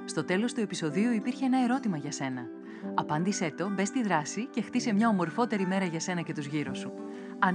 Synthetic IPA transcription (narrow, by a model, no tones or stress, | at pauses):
st̪o̞t̪e̞lo̞st̪ue̞piso̞ðiuipiɾçeenɐe̞ɾo̞t̪imɐʝɐse̞nɐ | ɐpɐnd̪ise̞t̪o̞be̞st̪iðɾɐsice̞xt̪isemɲɐo̞mo̞ɾfo̞t̪e̞ɾime̞ɾɐʝɐse̞nɐce̞t̪uzʝiɾosu | ɐ